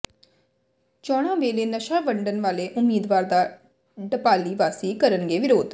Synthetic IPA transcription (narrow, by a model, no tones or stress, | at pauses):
t͡ʃɔːɽ̃ãːʋeːleːnəʃãːbəɳɖənʋaːleːʔʊmːiːd̪ʋaːɾd̪aː | ɖəpaːliːʋaːsiːkəɾənɡeːʋɪɾoːd̪